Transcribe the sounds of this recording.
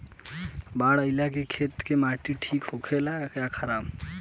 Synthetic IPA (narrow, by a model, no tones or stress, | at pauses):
baːɽəɪlakekʰeːt̪kemaːʈiʈʰiːkɦokʰelakjakʰəɾaːb